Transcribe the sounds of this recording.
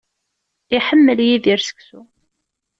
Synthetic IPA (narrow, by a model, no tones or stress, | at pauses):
iħəmːəljiðiɾsə̥ksu